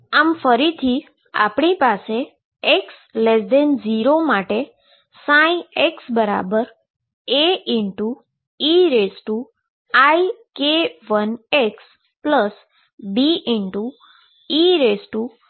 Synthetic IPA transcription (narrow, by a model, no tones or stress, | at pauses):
amfəɾit̪ʰi | a̰pɳipase | eks | lesd̪end͡ʒiɾomaʈe | sãĩeksbəɾa̰bəɾ | eɪɳʈu | iɾesʈu | aikeʋəneks | pləs | biʔɪɳʈu | iɾesʈu